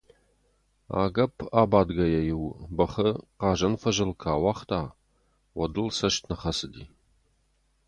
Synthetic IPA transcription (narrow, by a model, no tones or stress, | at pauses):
a̰ːɡɐpʰaːbaːdɡɐjɛjɪwbɐχɐqɑːʒɐnfɐʒɐlkʰaːwɑːχtʰaː | wɐdɨlsɐʃtʰnɐχɐsɨdḭː